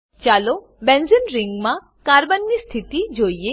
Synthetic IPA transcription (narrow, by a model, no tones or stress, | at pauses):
t͡ʃalo | bɛ̃nzənɾɪŋɡmã | kaɾbənːist̪ʰit̪id͡ʒoie